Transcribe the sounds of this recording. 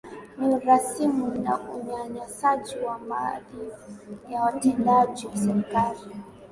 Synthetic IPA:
niuɾasimuna̰uɲaɲasad͡ʒiwamaðijawatɛndad͡ʒiwasɛɾkali

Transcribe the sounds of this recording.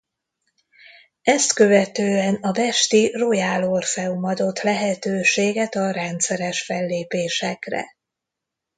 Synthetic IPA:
ɛst̪kø̞vɛt̪øːɛnɒbɛʃt̪irojaːlorfɛumɒd̪o̞t̪lɛɦɛt̪øːʃeːɡɛt̪ɒrɛnt̪sɛɾɛʃfɛlːeːpeːʃɛkrɛ̰

